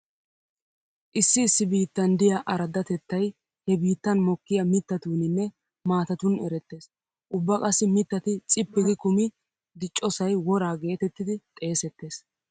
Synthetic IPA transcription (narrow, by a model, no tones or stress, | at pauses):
ʔɪsːɪːsːɪbiːt̪ːɐnd̪ɪjɐʔɐɾɐd̪ɐt̪ɛt̪ːɐj | hɛbiːt̪ːɐnmɔkːɪjɐmɪt̪ːɐt̪uːnɪnːɛ | maːt̪ɐt̪ʊnɛ̰ɾɛt̪ːe̞ːs | ʔʊbːɐkʼɐsːɪmɪt̪ːɐt̪ɪt͡sʼɪpːɪɡɪkʊmɪ | d̪ɪt͡ʃʼːɔsɐjwɔɾaːɡe̞ːt̪ɛt̪ːɪd̪ɪt̪ʼe̞ːsɛt̪ːe̞ːs